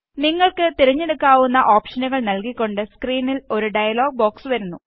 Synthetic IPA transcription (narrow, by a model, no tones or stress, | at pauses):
niŋːɐɭkɨt̪iɾɐɲːe̞ɽukːaːʋunːɐʔoːpʂɐnɐɣɐɭnɐlkikʲːo̞ɳɖɨskriːnilo̞ɾuɖɐjɐlo̞ːɡ̚bo̞ːksɨʋɐɾunːu